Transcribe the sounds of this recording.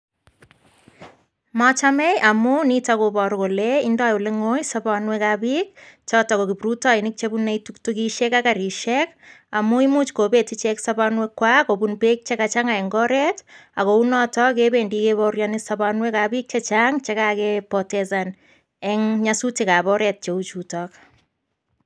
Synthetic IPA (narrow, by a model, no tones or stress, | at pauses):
mɔt͡ʃamɛjʔamunitakobɔɾkoleindajoleŋojsabanwekabik̚t͡ʃɔtɔkokipɾutɔinɪk̚t͡ʃebuneituktukiʃɛkakaɾiʃɛkamuimut͡ʃkopetit͡ʃɛksabanwekːwakobunpek̚t͡ʃekat͡ʃaŋaɛŋɡɔɾɛtakounɔtɔk̬ebendikeβɔɾjɔnɪsapanwekabik̚t͡ʃet͡ʃaŋt͡ʃekakepɔtɛsan | ɛŋɲasutikabɔɾɛt̚t͡ʃeut͡ʃutɔk